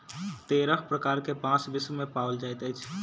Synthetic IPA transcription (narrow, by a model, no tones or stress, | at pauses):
t̪eɾəkʰpɾəkaɾkepãt͡ʃbiswmepaəld͡ʒajt̪əjt͡ʃʰ